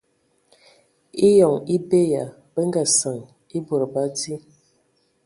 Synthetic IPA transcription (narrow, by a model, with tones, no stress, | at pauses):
i˦jɔ˨ŋi˦be˦ja˨ | bə˦ŋ˦ɡa˨sa˨ŋ | i˦bo˨ɾba˦di˦